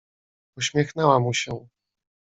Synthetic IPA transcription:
uɕmʲjɛxnɛwamuɕɛ

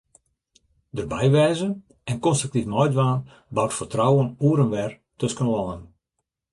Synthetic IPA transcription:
dərbɛjʋɛːzən | ɛnkɔnstrək̚tifnɔjdʋaːn | bawtfərtrɔwənuəɾənʋɛr | tɵskənlɔnən

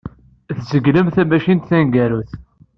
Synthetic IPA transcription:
θzəɡləmθæmæʃint̪θæŋɡæɾuθ

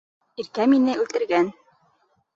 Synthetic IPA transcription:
iɾkæminɘʉlt̪ɘ̆ɾɡæn

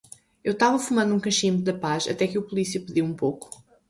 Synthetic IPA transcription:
ewt̪avɐfumɐ̃nd̪ũkɐ̃ʃĩmðɐpaʃɐ̰t̪ɛkɨɐpulˠisiɐpɨðiwũpowku̥

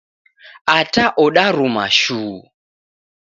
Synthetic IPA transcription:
ataʔɔɗaɾuma̰ʃuː

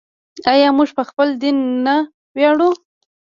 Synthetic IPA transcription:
ajɑmuʐpəxpəld̪inːa | wjɑɽu

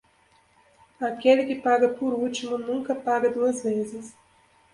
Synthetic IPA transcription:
akelɪkɪpaɡɐpoɾut͡ʃimʊnũŋkɐpaɡɐd̪uɐzvezɪs

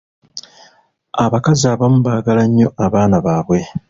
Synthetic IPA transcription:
aβakaziaβamuβaːɡalaɲːo̞ʔaβaːnaβaːβwe̞

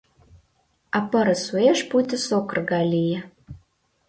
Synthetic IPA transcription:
apɐɾəsueʂputʲʰɨsokrɡalʲijɛ

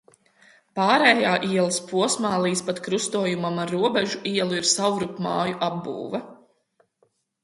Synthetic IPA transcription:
paːɾɛːjaːʔiɛlˠəspuɔsmaːlˠiːspat̪kɾust̪uɔjumamaɾːuɔbɛʒuʔiɛlˠuiɾsawɾupma̰ːjuʔabbṵːvɐ

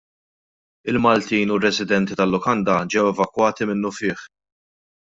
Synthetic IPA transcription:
ɪlmɐlt̪iːnurɛzɪd̪ɛnt̪it̪ɐlːʊkɐnd̪ɐd͡ʒɛwɛvɐkwɐːt̪imɪnːʊfɪːħ

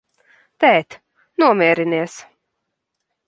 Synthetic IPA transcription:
t̪ɛːt̪ | nuɔmʲiɛɾiniɛs

